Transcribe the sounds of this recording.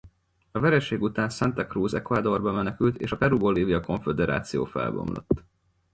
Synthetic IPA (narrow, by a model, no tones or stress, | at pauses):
ɒvɛɾɛʃeːɡut̪aːnsɛnt̪ɛkruːzɛkʋaːd̪o̞rbɒmɛnɛkylt̪ḛːʃɒpɛɾuboliːvijɒko̞ɱfød̪ɛɾa̰ːt̪sijo̰ːfɛ̰lbo̰mlo̞̰t̪ː